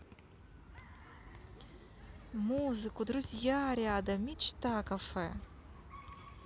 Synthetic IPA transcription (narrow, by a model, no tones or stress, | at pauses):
muzɨkud̪ruzʲjaɾaːd̪ɐmʲit͡ʃt̪akafɛ